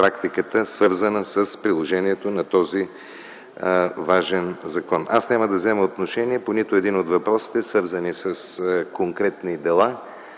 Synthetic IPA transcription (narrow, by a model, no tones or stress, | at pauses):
pɾakt̪ikət̪əsvɤɾzənəsəspɾilˠoʒɛniɛt̪onɐt̪ɔzi | vaʒɛnzɐkɔnasnʲaməd̪ɐvzɛməot̪noʃɛniɛponit̪oɛd̪inod̪vɐpɾɔsi̥t̪ɛsvɤɾzənisəskoŋkɾɛt̪nid̪ɛlˠa